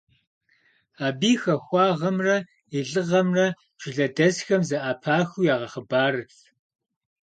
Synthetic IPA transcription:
aːbiːxɐxʷɑːʁɐmrɐ | iɮɨʁɐmrɐ | ʒ̥ɪɮɐdɐzxɐmzɐʔaːpʰaːxujaːʁɐχəbaːrɨɬ

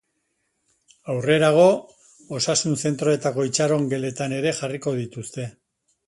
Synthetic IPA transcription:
awre̞ɾaɣ̞o̞ | osasunse̞nt̪ɾo̞e̞t̪ako̞it͡ʃaɾo̞ŋɡe̞le̞t̪ane̞ɾe̞xariko̞ðit̪ust̪e̞

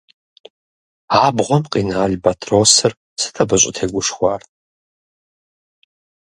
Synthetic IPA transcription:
aːbʁʷɔmqʼinaːlbatʰroːsɨr | sɨ̥tʰɐbɨɕʼɪtʰeːɡʷʊʂχʷɑːrtʰʼ

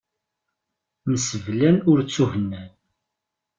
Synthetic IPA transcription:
məsəvlænʊɾt͡sːuhənːæn

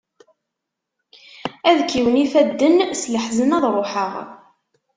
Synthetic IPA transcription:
æðkːiwəniθæd̪ːənsləħzənɑðˤɾˤoħəʁ

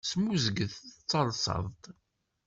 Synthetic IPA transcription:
smuzəɡəθt͡sːɑlˤsə̰ðˤt̪ˤ

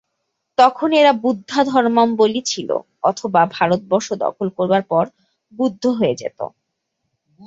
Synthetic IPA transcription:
t̪ɔkʰoneɾabud̪ʱːad̪ʱɔɾmambolit͡ɕʰilo̰ | ɔt̪ʰobabʱaɾot̪̚bɔɾʃod̪ɔ̰kʰolkoɾbaɾpɔɾ | bud̪ʱːoɦoed͡ʑḛt̪o̰

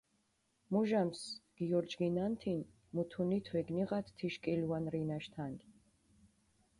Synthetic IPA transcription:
muʒamsɡ̥iɔɾd͡ʒɡinant̪ʰin | mut̪ʰunit̪ʰwɛɡniʁat̪ʰt̪ʰːiʃkʼiluwanɾinaʃt̪ʰan

